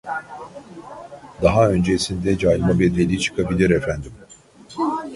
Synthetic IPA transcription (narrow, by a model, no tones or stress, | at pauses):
d̪aɦaø̞nd͡ʒesind̪ɛd͡ʒaːj̪mabɛd̪elʲit͡ʃʰɯ̥kʰabilʲiɾɛfænd̪im